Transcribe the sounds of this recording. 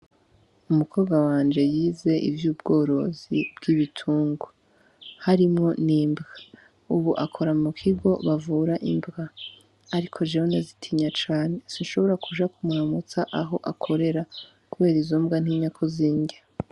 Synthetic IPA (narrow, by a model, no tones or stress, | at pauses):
umukʰoːbɡawaːnd͡ʒe̞jiːze̞ʔḭvjuːb̚ɡo̞ːɾo̞̰zḭbɡiβitʰuːŋɡo | haɾimŋo̞niːmbɡa | uβuʔakʰo̞ɾamukʰiɡo̞βavuːɾaʔimbɡaː | ɾikʰo̞ʒeɾonezitʰiɲat͡ʃaːne̞sinʃo̞βo̞ɾakʰuʒakumuɾamut͡saʔaɦo̞ʔakʰo̞ɾe̞ɾa | kuβe̞ːɾizoːmbɡan̥iːɲɲakʰoziːɲɡa